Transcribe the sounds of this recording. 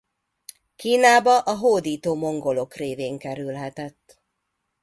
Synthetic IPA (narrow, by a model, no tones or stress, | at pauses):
kiːnaːbɒʔɒɦoːd̪iːt̪oːmo̞ŋɡo̞lo̞kreːveːŋkɛɾylɦɛt̪ɛt̪ː